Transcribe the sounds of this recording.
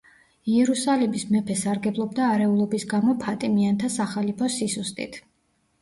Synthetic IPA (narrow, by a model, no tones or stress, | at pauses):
iɛɾusalimismɛpʰɛsaɾɡɛblˠɔb̚d̪aːɾɛulˠɔbisɡamɔpʰat̪ʼimiant̪ʰasaχalipʰɔsisust̪ʼḭt̪ʰ